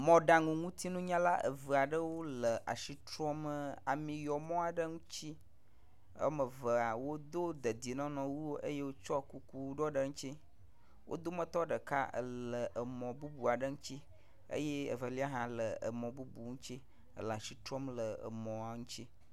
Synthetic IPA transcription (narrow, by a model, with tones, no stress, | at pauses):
mɔ̃˨ɖa˨ŋũ˨ŋũ˦t̪i˦nũ˦ɲã˦la˦ʔə̰˨və˨a˨ɖə˦wo˦lə˨ʔa̰˨ʃi˦t̪ɾɔ˦mə˦a˨mĩ˨jɔ˨mɔ̃˦a˨ɖə˦ŋũ˦t͡ɕi˦ | ə̰˦mə˨və˨a˨wo˦d̪o˦d̪ə˨d̪i˨nɔ̃˦nɔ̃˨wu˦wo˦ʔe˦je˦wo˦t͡ʃɔ˦ku˦ku˦ɖɔ˦ɖə˨ŋũ˦t͡ɕi˦ | wʔo̰˦d̪o˦mə̃˦t̪ɔ˦ɖə˨ka̰˦ə̰˨lə˨ʔə˨mɔ̃˨bu˦bu˨a˨ɖə˦ŋũ˦t͡ɕi˦ | ə̰˦jɛ˦ə̰˨və˨li˦a˦ɦã˨lə˨ə̰˨mɔ̃˨bu˦bu˨ŋũ˦t͡ɕi˦ | ə̰˨lə˨a˨ʃi˨t̪ɾɔ˦mlə˨ə̰˨mɔ̃˨a˨ŋũ˦t͡ɕi˦